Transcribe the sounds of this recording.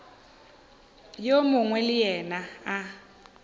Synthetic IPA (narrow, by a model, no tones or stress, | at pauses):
jomʊŋwɛlɪjɛnaː